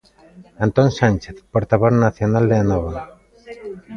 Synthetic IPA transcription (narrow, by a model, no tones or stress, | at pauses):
ant̪onsant͡ʃeθpoɾt̪aβoznaθjonald̪eanɔβa